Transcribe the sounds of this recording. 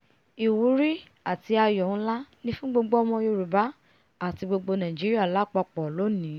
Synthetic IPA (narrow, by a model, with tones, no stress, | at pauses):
i˨wu˨˦ɾi˦ | a˦˨ti˧a˧jɔ˨ñ̩˦la˦nĩ˦fũ˦ɡ͡bo˧ɡ͡bo˦ɔ˧mɔ̃˧jo˧ɾu˨ba˨˦ | a˦˨ti˧ɡ͡bo˧ɡ͡bo˧nã˨i˨d͡ʒi˨˦ɾi˦a˦˨la˨˦˨k͡pɔ˧k͡pɔ˨lo˨˦nĩ˨˦